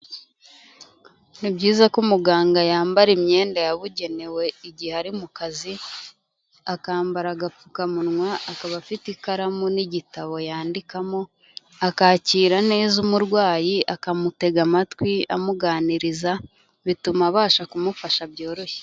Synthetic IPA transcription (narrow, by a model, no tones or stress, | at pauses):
nibɟiːzakumuɡaːŋɡajaːmbaɾimɲe̞ːndajaβuɟe̞ne̞we̞iɟiheaɾimukazi | akaːmbaɾaɡapukamunŋwaʔːkaβafitikaɾamoniɟitaβo̞jaːndikamo̞ | akaːciːɾane̞ːzumuɾɡwaːjiʔakamute̞ɡamatwia̰muɡaːniɾiza | βitumaβaːʃakumufaʃabjo̞ːɾo̞çe̥